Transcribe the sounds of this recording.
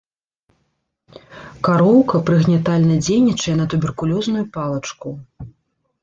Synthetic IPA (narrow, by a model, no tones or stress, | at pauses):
kaɾɔwkɐpɾɨɣnʲat̪alʲnɐd͡zʲejnʲit͡ʂɐjɛnɐt̪ubʲɛrkulʲɔznujupalˠɐt͡ʂku